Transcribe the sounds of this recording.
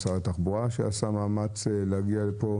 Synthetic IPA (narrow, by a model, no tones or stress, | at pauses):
saʁat̪aχbuʁaʃḛasamaːmat͡seleaɡialepo̞